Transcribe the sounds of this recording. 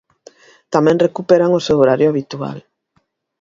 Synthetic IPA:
t̪amɛ̃ŋrekupeɾaŋosewoɾaɾjʊaβit̪ua̰l

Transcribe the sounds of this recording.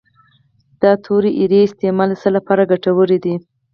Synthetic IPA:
d̪̥ɑt̪ʰoɾiʔiɾeɪst̪emɑlsəlapɑɾaɡaʈawəɾid̪i

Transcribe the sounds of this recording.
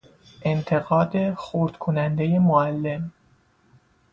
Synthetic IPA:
ʔe̞nt̪ʰe̞ɣɒːd̪e̞xoɾd̪̥kʰonænd̪e̞je̞moælːe̞m

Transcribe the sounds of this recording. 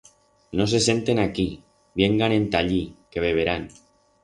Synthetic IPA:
nos̬ese̞nt̪e̞naki | beŋɡanẽ̞nt̪aʎikeβeβ̞eɾan

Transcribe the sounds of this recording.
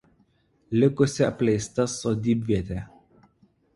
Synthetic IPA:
lʲɪkʊsʲɪɐpʲlʲɛɪst̪ɐsoːd̪ʲiːbʲʋʲiɛt̪ʲe

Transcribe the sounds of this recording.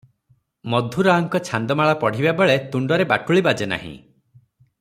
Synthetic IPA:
mɔd̪ʱuɾaɔŋkɔt͡ʃʰand̪ɔmaɭɔpɔɽ̤ibabeɭet̪uɳɖɔɾebaʈuɭibad͡ʒena̰ɦḭ̃

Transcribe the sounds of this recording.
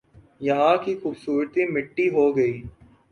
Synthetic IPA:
jɐɦãkixuːbsuːɾt̪imɪʈːiɦoːɡɐiː

